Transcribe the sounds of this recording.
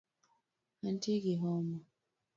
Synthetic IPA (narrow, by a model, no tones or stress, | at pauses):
antʰiɡiɦɔmɔ